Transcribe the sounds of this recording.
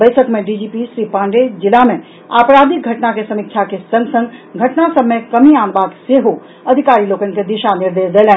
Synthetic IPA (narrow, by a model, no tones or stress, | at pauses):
bəjsʰəkmeɖid͡ʒipisɾipãɳɖed͡ʒilame | apɾad̪iɡʱəʈnakesəmik̚t͡ʃʰakesə̃ŋɡsə̃ŋɡɡʱəʈnasəbmekəmianbaɡ̪seɦo | əd̪ʱikaɾilokənked̪iʃaniɾd̪esd̪elɛ̃n